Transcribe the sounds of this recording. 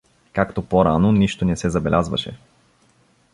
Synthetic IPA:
kakt̪opoɾanoniʃt̪onɛsɛzɐbɛlʲazvɐ̰ʃɛ̰

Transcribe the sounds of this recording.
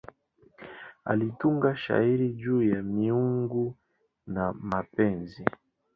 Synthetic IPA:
a̰lituŋɡaʃa̰iɾid͡ʒuːjamiuŋɡu | namapɛnzi

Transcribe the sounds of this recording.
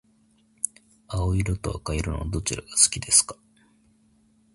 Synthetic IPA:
aoiɾot̪o̞a̰kaiɾɯno̰d̪o̞t͡ɕiɾaɡ̥asɨ̥kʲid̪e̞sɨ̥kḁ

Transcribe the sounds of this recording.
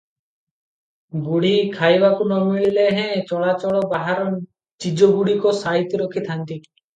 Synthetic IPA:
ɡuɽikʰajbakunɔmiɭileɦɛ̃t͡ʃɔɭat͡ʃɔɭɔbaɦaɾɔn | t͡ʃid͡ʒɔɡuɽikɔsait̪iɾɔkʰit̪ʰant̪i

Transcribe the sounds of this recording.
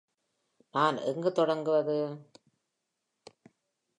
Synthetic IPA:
naːnɛ̰ŋɡɯt̪ɔɽɐŋɡɯʋɐðɯ

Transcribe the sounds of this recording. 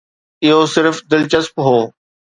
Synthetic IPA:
ɪɦosɪɾfd̪ɪlt͡ɕəspɦoː

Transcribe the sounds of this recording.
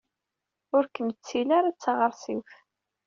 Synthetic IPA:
ʊɾkənt͡sːilaɾat͡sːaʁəɾˤsif

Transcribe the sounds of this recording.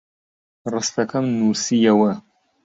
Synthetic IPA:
rɨst̪ɐkɐmnusijɐwɐ

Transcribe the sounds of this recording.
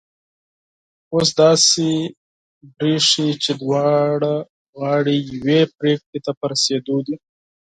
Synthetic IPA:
os̬d̪ɑːsi | bɾiʂit͡ʃed̪wɑːɽa | ɣɑːɽijwepɾeːk̚ʈet̪apɐɾseːd̪ud̪i

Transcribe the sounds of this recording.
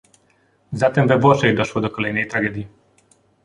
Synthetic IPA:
zat̪ɛmvɛbɔʂɛjd̪ɔʃwɔd̪ɔkɔlɛjnɛjt̪ɾaɡɛd̪ʲji

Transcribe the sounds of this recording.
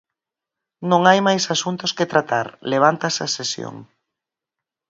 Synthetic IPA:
nõŋajmajsasunt̪ʊsket̪ɾat̪aɾleβ̞ant̪asɐsesjo̰ŋ

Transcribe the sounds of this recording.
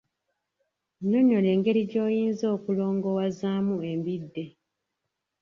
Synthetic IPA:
noɲo̞le̞ːŋɡe̞ɾiɟo̞ːjiːnzo̞ːkulo̞ːŋɡo̞wazaːmue̞mbidːe

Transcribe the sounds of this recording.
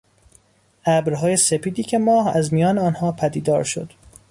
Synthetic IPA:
ʔæbɾɦɒːje̞se̞pʰiːd̪iːcʰe̞mɒːhæ̰zmijɒːneɒːnhɒːpʰæd̪iːd̪ɒ̰ːɾʃo̰d̪̥

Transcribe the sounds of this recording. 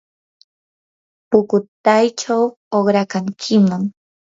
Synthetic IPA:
pʊkʊt̪ajt͡ʃaw | oχɾakaŋkʰɪmaŋ

